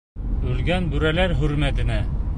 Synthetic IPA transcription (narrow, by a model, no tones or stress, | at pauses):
ʉlɡænbʉɾælæɾɦʉɾmæt̪ɘ̆næ